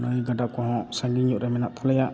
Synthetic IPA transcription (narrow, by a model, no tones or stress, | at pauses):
nəjɡadakɔɦɔ̃saŋɡiɲuʔɾɛmɛnaʔp̪ʰɔlɛjaʔ